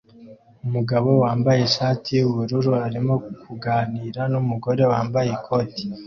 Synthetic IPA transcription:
umuɡaβo̞waːmbaje̞ʃaːtʰijuβuɾuɾuaɾimo̞kʰuɡaːniːɾanumuɡo̞ɾe̞waːmbajekʰo̞ti̥

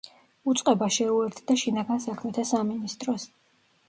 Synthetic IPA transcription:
ut̪sʼqʼɛbaʃɛuɛɾt̪ʰd̪aʃinaɡansakʰmɛt̪ʰasaminist̪ʼɾɔs

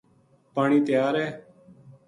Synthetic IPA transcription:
paːɳiːt̪ɪjaːɾɦɛː

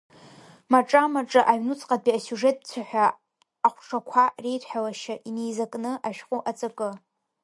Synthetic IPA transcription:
maʈ͡ʂʼamaʈ͡ʂʼɨʔaɥnut͡sʼqʼad̚piasuʐe̞tʼt͡sʷʰaħʷᶣaː | χʷʈ͡ʂʰakʷʰarejtʰħalaʃaʔinejzakʼnɨʔaʃᶣqʷʼuʔat͡sʼakʼɨ

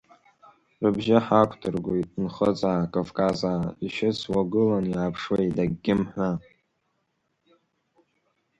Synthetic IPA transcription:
rɨbʒɪħakʷʰtʰɨrɡʷojtʼnχəd͡zakʼavkʼazaːiʃɪt͡sʰwaɡɨlanjaːpʰʂwejdaɡʲːɪmħʷa

